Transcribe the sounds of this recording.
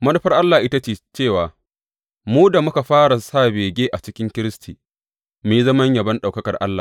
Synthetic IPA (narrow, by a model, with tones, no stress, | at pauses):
mɐ˦lɐ˦ɸɐ˦rʔa˦lːaː˨ʔɪ˦ta˦t͡ʃeː˨t͡ʃeː˦˨waː˨ | muː˦da˨mʊ˦ka˨ɸaː˦ɽa˨saː˦˨beː˨ɡʲeː˦ʔa˨t͡ʃɪ˦kʲɪ˦ŋkʲɪ˦ɾɪ˦stʰiː˨ | me˨ji˦zɐ˦mɐ˦ɲjɐ˨bɐ˦nɗa˨wkɐ˦kɐ˨rʔa̰˦lːa̰ː˨